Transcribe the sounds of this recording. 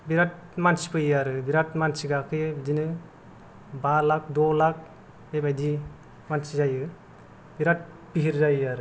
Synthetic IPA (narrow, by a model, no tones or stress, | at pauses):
biɾat̚ | mansi̥pɯjaɾɯbiɾatmansiɡakʰɯjɯbidinɯ | balak̚dɔlak̚ | bebajdi | mansizajɯ | biɾat̚ | biɦiɾzajaɾɯ